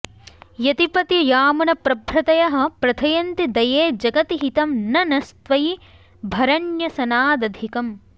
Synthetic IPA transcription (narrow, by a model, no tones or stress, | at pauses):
jɐt̪ipɐt̪jɐjaːmɐnɐpɾɐbʱɾɐt̪ɐjɐɦɐ̆pɾɐt̪ʰɐjɐnt̪id̪ɐjeːd͡ʒɐɡɐt̪iɦit̪ɐmnɐnɐst̪ʋɐji | bʱɐɾɐnjɐsɐnaːd̪ɐd̪ʱikɐm